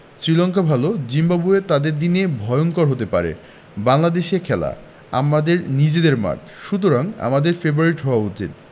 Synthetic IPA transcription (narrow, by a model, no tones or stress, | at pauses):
sɾilɔŋkabʱalod͡ʑimbabuet̪ad̪eɾd̪inebʱɔjonkɔɾɦot̪epa̰ɾḛ | baŋlad̪eʃekʰɛla̰ | a̰mad̪eɾnid͡ʑed̪eɾma̰tʰ | ʃut̪̬oɾaŋa̰mad̪eɾfebɾuaɾiʈɦɔoaut͡ɕḭt̪̚